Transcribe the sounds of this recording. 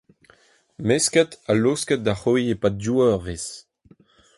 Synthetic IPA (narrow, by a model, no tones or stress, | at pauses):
meskɛtaloskɛt̚daχoiepaduɛʁves